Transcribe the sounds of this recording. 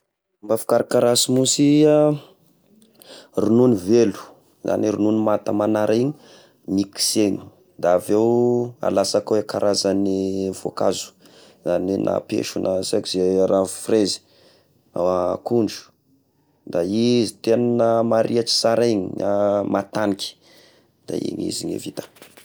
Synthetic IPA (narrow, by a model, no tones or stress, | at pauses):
mbafi̥kaɾikaɾasimusia | rununivelu̥ | za̰niɾununimat̪əmanaɾʔaiɲi | miki̥seni̥ | d̪aavewa̰lasakawekaɾʔazanivo̰kazu̥ | zaninʔa̰pḛʃunʔasekizeɾaufrezi̥ | a̰wakuɳɖ͡ʐu̥ | d̪aizit̪enanəmaɾʔiat͡ʃi̥saɾiɲiɲamat̪aniki̥ | d̪̥a̰ḭɲḭziɲḛvit̪ḁ